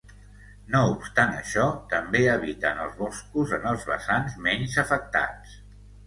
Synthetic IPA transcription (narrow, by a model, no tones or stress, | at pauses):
noupst̪anəʃɔt̪əmbeəβit̪ənə̰lˠzβɔskuzənəlˠzβə̰sanzmɛɲzəfək̚t̪a̰t͡s